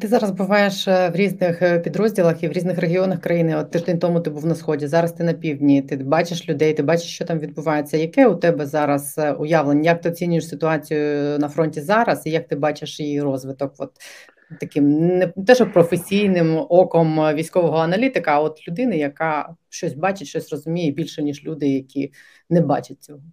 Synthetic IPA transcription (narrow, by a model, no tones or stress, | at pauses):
t̪ɪzɑɾɐzbʊʋɑjeʃʋɾʲiznɪxpʲid̪ɾɔzʲdʲilˠɐxiʋɾʲiznɪxɾeɦʲiɔnɐxkɾɐjinɪɔt̪ːɛʒd̪ɛnʲt̪ɔmʊt̪ɪbuwnɐsxɔdʲizɑɾɐst̪ɪnɐpʲiwdʲnʲit̪ɪbɑt͡ʃeʃlʲʊd̪ɛjt̪ɪbɑt͡ʃe̥ʃt͡ʃɔt̪ɑmʋʲid̪bʊʋɑjet͡sʲːɐjɐkɛʊt̪ɛbɛzɑɾɐsʊjɑʋlˠenʲjɐk̚t̪ɪɔt͡sʲinʲʊjeʃsɪt̪ʊɑt͡sʲijʊnɐfɾɔnʲtʲizɑɾɐsijɐk̚t̪ɪbɑt͡ʃeʃjijirɔzʋɪt̪ɔkʋɔ̰t̪ | t̪ːɐkɪmnɛt̪ɛʒpɾɔfesʲijnɪmɔkɔmʋʲijsʲkɔʋɔɦɔɐnɐlʲit̪ɪkɐɐɔt̪lʲʊd̪ɪnɪjɐkɑʃt͡ʃɔsʲbɑt͡ʃɪtʲʃt͡ʃɔsʲrɔzʊmʲijɛbʲilʲʃɛnʲiʒlʲud̪ɪjɐkʲi | nɛbɑ̰t͡ʃɐt̚ʲt͡sʲɔɦɔ